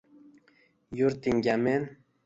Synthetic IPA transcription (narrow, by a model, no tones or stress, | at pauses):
juɾt̪iŋɡʲamen